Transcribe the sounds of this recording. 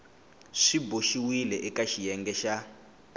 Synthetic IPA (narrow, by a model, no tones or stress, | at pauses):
ʂiboʃiwilɛʔɛkaʃijɛŋɡɛʃa